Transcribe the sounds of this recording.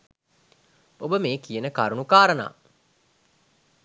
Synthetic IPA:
obəmeːkijənəka̰ɾunukaːɾəna̰ː

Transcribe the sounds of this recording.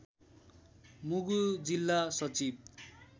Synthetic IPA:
muɡud͡zilːasʌt͡sib̚

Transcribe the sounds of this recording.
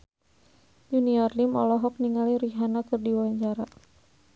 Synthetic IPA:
d͡ʒuniɔrlimɔlɔɦɔk̚niŋaliɾiɦanakɨrdiwaɲd͡ʒaɾa

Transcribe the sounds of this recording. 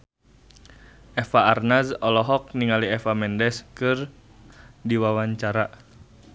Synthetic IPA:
ʔɛfaːrnazɔlɔɦɔk̚niŋaliɛfamɛndɛskɨr | diwawaɲt͡ʃaɾa

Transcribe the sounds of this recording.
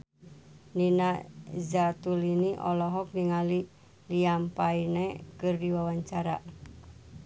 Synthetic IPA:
ninazat̪uliniʔɔ̰lɔɦɔk̚niŋali | liampainekɨrdiwawaɲt͡ʃaɾa̰

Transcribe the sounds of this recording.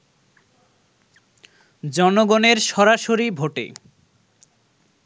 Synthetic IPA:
d͡ʑɔnoɡoneɾʃɔɾaʃoɾibʱoʈḛ

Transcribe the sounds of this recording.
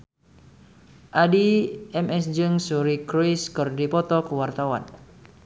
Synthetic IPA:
ʔadiɛmʔɛsd͡ʒɨŋsuɾikɾiskɨrdipɔt̪ɔkəwart̪awa̰n

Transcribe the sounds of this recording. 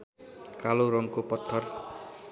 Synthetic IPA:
kaloɾʌŋkopʌt̪ʰːʌr

